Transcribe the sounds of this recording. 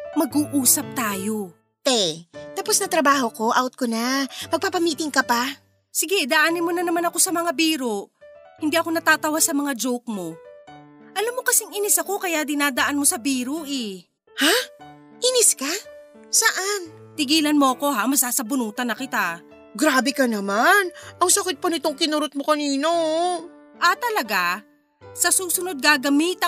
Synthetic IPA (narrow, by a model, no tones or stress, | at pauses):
mɐɡuːʔuːsɐp̚t̪aːjo̞ | t̪ɛt̪aposnɐt̪ɾɐbaːho̞ko̞ʔawt̪̚konapɐɡ̚papɐmiːt̪ɪŋkɐpa | sɪɡɛd̪ɐʔaːnɪnmonɐnɐmanɐko̞sɐmɐŋabiːɾohɪnd̪iːʔɐko̞nɐt̪aːt̪ɐwasɐmɐŋad͡ʒowk̚mo̞ | ʔɐlamːokɐsɛŋʔinɪsɐko̞kɐjad̪ɪnaːd̪ɐʔanmo̞sɐbiːɾoʔɛ | ha | ʔinɪska | sɐʔant̪ɪɡiːlɐnmo̞ʔɐko̞ɦamɐsaːsɐbʊnuːt̪ɐnɐkɪt̪a | ɡɾaːbɛkɐnɐmanɐŋsɐkɪt̪̚pɐnɪt̪o̞ŋkɪnuɾot̪̚mokɐniːno | ʔat̪ɐlɐɡa | sɐsuːsʊno̞d̪̚ɡaːɡɐmit̪ɐ